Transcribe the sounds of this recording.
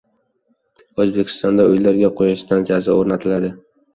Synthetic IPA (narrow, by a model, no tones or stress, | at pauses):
ɵzbe̞kʲʰɪ̥st̪ɒnd̪aʊjlaɾɡʲaqʰojaʃt̪and͡ʒazaoɾnat̪ʰɪlad̪ɪ